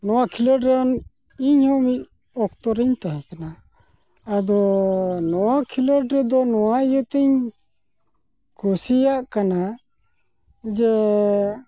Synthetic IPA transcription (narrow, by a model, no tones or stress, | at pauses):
nɔwakʰiloɖɾɔn | iɲhɔmiʔ̚ | ɔkt̪ɔɾɛɲt̪aɦɛ̃kanaː | d̪ɔnɔwakʰilɔɖɾɛd̪ɔnɔwajət̪ɛɲ | kʰusijaʔkana | d͡ʒɛ